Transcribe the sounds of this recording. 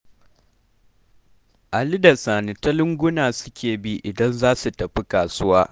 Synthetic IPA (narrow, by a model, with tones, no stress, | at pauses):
ʔa˨li˦da˨saː˨nɪ˨tɐ˦lɪ˦ŋɡʷʊ˦naː˨sʊ̥˦kʲeː˨bi˦ʔɪ˨dɐ˦nzaː˦su˨tɐ˨ɸi˦kaː˨sʊ˦waː˦